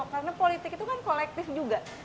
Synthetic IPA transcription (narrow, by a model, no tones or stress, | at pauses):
kaɾənapolit̪ɪkit̪ukankolɛk̚t̪ɪfd͡ʒuɡa